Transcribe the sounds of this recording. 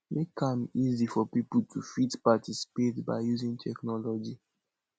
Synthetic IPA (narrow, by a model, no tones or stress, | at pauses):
mekãmizifɔpipl̩tʰufitpatʰisi̥petbaɪjuzĩntʰɛknɔlɔd͡ʒi